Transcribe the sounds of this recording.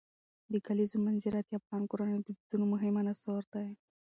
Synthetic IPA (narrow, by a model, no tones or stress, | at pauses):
d̪əkalizomanziɾat̪iafɣɑnkoɾanəjod̪əbid̪̥unomʊɦɪmanast̪awaɾt̪aje